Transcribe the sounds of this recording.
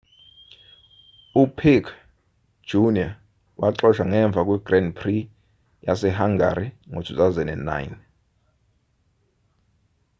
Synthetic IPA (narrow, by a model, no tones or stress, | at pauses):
upʰikʰ | d͡ʒ̥unia | waǁɔʃaŋɛɱb̪vʱak̬ʼwiɡrɛndpʰri | jasɛɦaŋɡa̰ɾiŋotʰutazɛnɛnna̰jin